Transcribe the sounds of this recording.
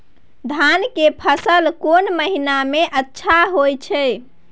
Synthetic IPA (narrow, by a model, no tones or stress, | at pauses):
d̪ʱankepʰəsəlkonməɦinameʔətːʃʰaɦojt͡ʃʰɛ